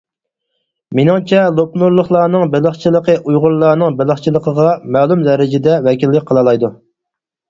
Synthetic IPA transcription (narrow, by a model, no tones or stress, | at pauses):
menɪŋt͡ʃʰɛlˠopnuɾlˠəχlˠɑːnɨŋbɪlˠəχt͡ʃʰilˠəqəʔujʁʊɾlˠɑːnɨŋbɪlˠəχt͡ʃʰilˠəqʰəʁɑmɛːlˠumzɛɾɪd͡ʒɪd̪ɛwɛkʲilːɪk̚ʲqʰəlˠɑlˠɑjd̪u